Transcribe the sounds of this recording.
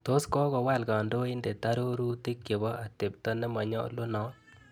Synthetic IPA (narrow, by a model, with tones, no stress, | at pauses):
to˦skɔ˦ɡɔ˨wa˦˨lɡa˨ndo˦i˦nde˨ta˦ɾo˦ɾu˦ti˦kje˨bɔ˦ʔa˨te˨p̚tɔ˦nɛ˦ma˨ɲɔ̰˦lo˦nɔ˦